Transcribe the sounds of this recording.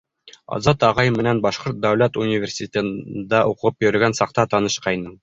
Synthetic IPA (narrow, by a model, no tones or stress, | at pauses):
ɒ̰zɑt̪ɑʁɑjmːɘ̆nænbɒʃqoɾt̪̚d̪ɐwlæt̪unʲivʲersʲɪt̪ʲɘ̆nd̪æʔuqɤʁɤpjɵ̆ɾɘ̆ɡænsɑq̚t̪ɑt̪ɒnɤʃqɑjnɤɴ